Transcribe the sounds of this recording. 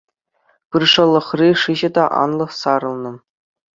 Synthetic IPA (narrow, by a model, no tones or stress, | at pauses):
pɯrʂɤ̆lˠːɤ̆χrʲiʂɯʑɘ̆d̪ɑʔɑ̰nlˠɤ̆χsɑɾɤ̆lˠnɤ̆